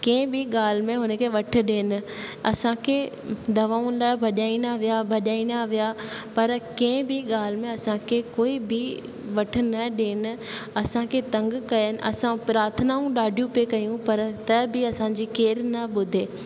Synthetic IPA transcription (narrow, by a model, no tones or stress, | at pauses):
kẽːbʱɪɠaːl̤mẽɦʊnəkʰeʋɐʈ̆ʰɗeːnɪ̆ | ɐsãkʰe | d̪ɐʋaːʊ̃nɪlaːbʱɐɗaːinaʋijabʱɐʄaːinaʋijaːpɐɾkẽbʱɪɠaːl̤mẽɐsãkʰekoːibʱɪ | ʋɐʈ̆ʰnɐɗeːnɪ̆ɐsãkʰet̪ɐ̃ŋɡkɐjənɪ̆ʔɐsãpɾaːɾt̪ʰənaːũɗaːɖʱijũpekɐjũpɐɾt̪ɐbʱɪɐsãd͡ʑiːkeːɾnɐɓʊd̪ʱeː